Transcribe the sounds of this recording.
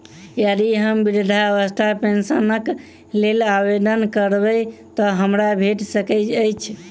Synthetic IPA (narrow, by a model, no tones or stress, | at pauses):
jəd̪iɦəmbiɾid̪ʱaəʋəst̪ʰapensənək | lelabed̪ənkəɾbət̪ɔɦəmɾabʱeʈsəkɛt͡ʃəjt͡ʃʰ